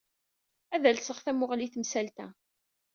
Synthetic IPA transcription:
æðælsəχθæmʊʁliθmsælt̪æ

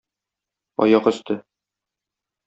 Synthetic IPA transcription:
ɒ̰jɑqɵ̆st̪ʰɘ

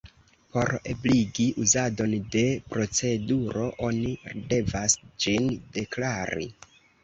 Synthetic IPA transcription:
po̞ɾebliɡiʔuzado̞nde̞pɾo̞t͡se̞duɾo̞ʔo̞niɾde̞vasd͡ʒinde̞klaɾḭ

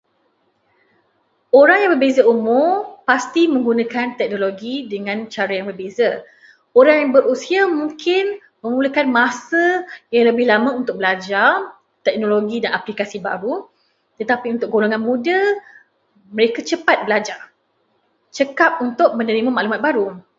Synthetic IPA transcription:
oɾaŋjaŋbərbezaumʊpast̪imə̃ŋɡunãkant̪ɛk̚noloɡidəŋãnt͡ʃaɾajaŋbərbeza | oɾaŋjaŋbəɾusiamũŋkɪn | mə̃muləkanmasəjaŋləbɪhlamaunt̪ʊk̚bəlad͡ʒar | t̪ɛk̚noloɡidanaplikasiba̰ɾu | t̪ət̪apiunt̪ʊk̚ɡoloŋanmũda | məɾekat͡ʃəpat̪̚bəlad͡ʒar | t͡ʃəkap̚unt̪ʊk̚mə̃nəɾimamaʔlumat̪̚baɾu

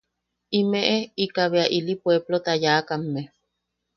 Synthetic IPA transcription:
imeʔeikaβeaʔilipweblot̪ajakamːe

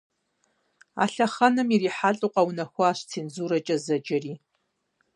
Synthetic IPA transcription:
a̰ɬaχanɨmiriħaɬʼuqʼawnaxʷaːʃʷt͡sʰind͡zuɾat͡ʃʼazad͡ʒari

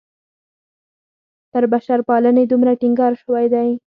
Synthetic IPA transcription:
t̪əɾbaʃaɾpɑləned̪umɾaʈiŋɡɑɾʃəwajd̪aj

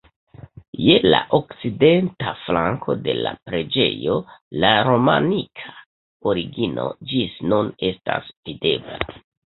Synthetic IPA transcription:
je̞laʔokt͡side̞ntaflaŋkʰo̞de̞lapɾe̞d͡ʒe̞jo̞laɾo̞manikʰa | oɾiɡino̞̰d͡ʒisnune̞sta̰svide̞bla

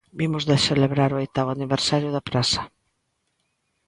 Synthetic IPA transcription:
bimʊzðeseleβɾaɾoojt̪aβʊaniβeɾsaɾjʊðapɾasɐ̥

